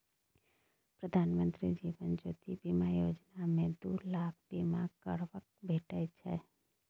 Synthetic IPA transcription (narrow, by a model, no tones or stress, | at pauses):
pɾəd̪ʱaːnmə̃nt̪ɾid͡ʒiʋənd͡ʒoːt̪ibimajod͡ʒnamẽd̪ulaːkʰbimakəɾʋək̚bʱeʈət͡ʃʰɛ̰